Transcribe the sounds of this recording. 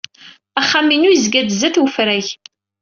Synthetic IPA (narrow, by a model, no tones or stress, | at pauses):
æχːaminujzɡæd̪zæθwəfɾæç